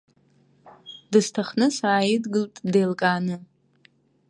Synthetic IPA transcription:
dɨstʰaχnɨsaːjɪdɡɨltʼdejlkʼaːnɨ

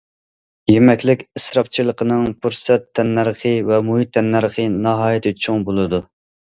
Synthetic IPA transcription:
jemɛkʲlɪkʲɨsɾɑp̚t͡ʃʰilˠəqʰənɨŋpʰuɾsɛt̪ʰːɛnːæɾqʰəvɛmuɦit̪ʰːɛnːæɾχʰənɑɦɑːjɛt̪ʰɪt͡ʃʰuŋbolˠɨd̪u

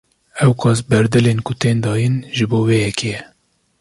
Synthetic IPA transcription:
ɛwkʰɑːsbɛɾd̪ɨleːnkʰʊt̪eːnd̪ɑːjinʒɨboːweːjɛkʰejɛ

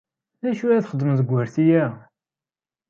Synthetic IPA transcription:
ðæʃuæθχəd̪əmðəɡʷːəɾθijæ

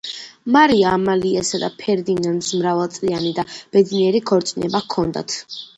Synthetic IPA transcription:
maɾiaːmaliasad̪a̰pʰɛɾd̪inand̪smɾavalˠt̪sʼlianid̪ab̥ɛd̪niɛɾikʰɔɾt̪sʼinɛbakʰːɔnd̪a̰t̪ʰ

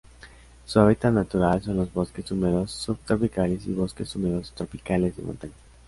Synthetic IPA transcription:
suaβit̪at̪nat̪uɾalso̞nlo̞zβo̞ske̞sumeɾo̞sːuβt̪ɾo̞pikale̞sḭβo̞ske̞sumeɾo̞st̪ɾo̞pikale̞zðḛmõ̰nt̪aɲa

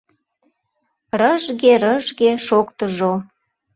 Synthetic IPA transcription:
rəʒɣeɾəʒɣeʃokt̪əʒo

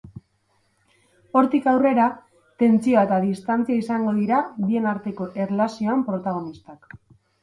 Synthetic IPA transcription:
o̞ɾt̪ikawre̞ɾa | t̪e̞nt͡sio̞et̪aðist̪ant͡siaisaŋɡo̞ðiɾaβie̞naɾt̪e̞ko̞ʔe̞rlasio̞ampɾo̞t̪aɣ̞o̞nist̪ak

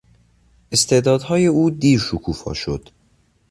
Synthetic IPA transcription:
ʔe̞st̪ʰe̞ːʔd̪ɒːd̪hɒːje̞uːd̪iːɾʃokʰuːfɒ̰ːʃo̞̰d̪̥

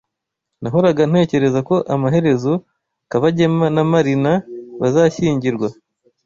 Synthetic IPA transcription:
naɦoɾaɡan̥he̞ːce̞ɾe̞zako̞ʔamaɦe̞ɾe̞zo̞ | kaβaɟe̞manamaɾinaβazaçiːɲɟiɾɡwa

